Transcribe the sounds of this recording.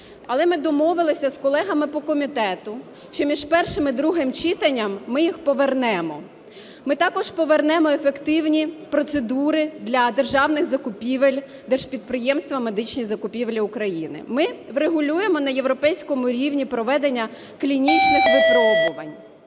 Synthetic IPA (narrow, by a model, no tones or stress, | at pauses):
ɐlˠɛmɪd̪ɔmɔʋɪlˠɪsʲɐskɔlˠɛɦɐmɪpɔkɔmʲit̪ɛt̪ʊ | ʃt͡ʃɔmʲiʒpɛrʃɪmɪd̪ɾuɦɪmt͡ʃɪt̪ɐnʲːɐmːɪjixpɔʋernɛmɔ | mɪt̪ɑkɔʒpɔʋernɛmɔefekt̪ɪwnʲipɾɔt̪sed̪uɾɪd̪lʲɐd̪erʒɑwnɪxzɐkʊpʲiʋelʲ | d̪ɛrʒ̥pʲid̪̚pɾɪjɛmst̪ʋɐme̞d̪ɪt͡ʃnʲizɐkʊpʲiʋlʲiʊkɾɐjinɪ̰mɪʋɾeɦʊlʲuje̞mɔnɐje̞wɾɔpɛjsʲkɔmʊɾʲiwnʲipɾɔʋɛd̪enʲːɐ | klʲinʲit͡ʃnɪxʋɪpɾɔbʊʋɐnʲ